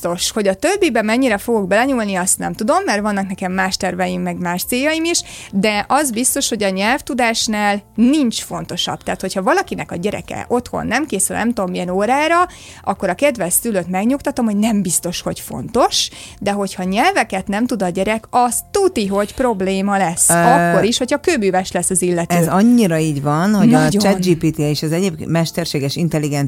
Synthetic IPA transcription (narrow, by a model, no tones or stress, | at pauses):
t̪oʃho̞ɟɒt̪øbːibɛmɛɲːiɾɛfo̞ɡoɡbɛlɛɲulniɒst̪nɛ̰mt̪ud̪o̞mːɛrʋɒnːɒknɛkɛmːaːʃt̪ɛrvɛjimːɛɡmaːʃt̪seːjɒjimiʃd̪ɛʔɒzbist̪o̞ʃho̞ɟɒɲɛlft̪ud̪aːʃnaːlnint͡ʃfo̞nt̪o̞ʃɒ̰b̥t̪ɛːt̪ho̞chɒvɒlɒkinɛkɒɟɛɾɛ̰kɛ̰ʔo̞t̪ho̞̰nːɛmkeːsylnɛmt̪omːijɛnoːɾaːɾɒ | ʔɒkːo̞ɾɒkɛd̪vɛsyløt̪mɛɡɲukt̪ɒt̪o̞mho̞ɟnɛmbist̪o̞ʃho̞̰cfo̞̰nt̪o̞ʃd̪ɛɦo̞chɒɲɛlvɛkɛt̪nɛmt̪ud̪ɒɟɛɾɛkɒst̪ut̪iɦo̞cpro̞bleːmɒlɛsːɒkːo̞ɾiʃho̞chɒkøbyːvɛʃlɛsːɒzilːɛt̪øɛːzɒɲːiɾɒiːɟvɒnho̞ɟɒt͡ʃɛt̪̚d͡ʒiːpiːt̪ieʃɒzɛɟeːbmɛʃt̪ɛrʃeːɡɛʃint̪ɛlːiɡɛn